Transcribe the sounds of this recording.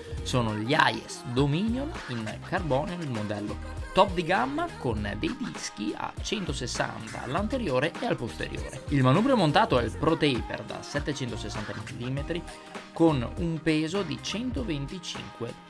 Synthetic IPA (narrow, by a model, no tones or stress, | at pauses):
soːnoʎia̰jḛsd̪omiːnjoninkarbɔːneoilmod̪ɛlːo̰t̪ɔp̚d̪iɡamːakond̪ejd̪isk̟ia̰t͡ʃɛnt̪osesːa̰nt̪a̰a̰lːant̪eɾjoːɾeealpost̪ḛɾjo̰ːɾeilmanuːbɾeomont̪aːt̪oɛilpɾot̪eipḛrd̪a̰sɛt̪ːet͡ʃɛnt̪osesːant̪amiliːmet̪ɾi | konumpeːzod̪it͡ʃɛnt̪ovent̪it͡ʃḭŋkwḛ